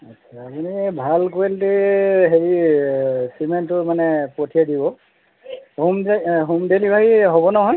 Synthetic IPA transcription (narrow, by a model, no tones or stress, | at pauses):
at͡ʃʰaːpunibʱalkoeldeɦeɹi | simentːʊmanɛpotʰijadibɔ | umɦumdelibʱabiɦɔbɔnɔɦɔj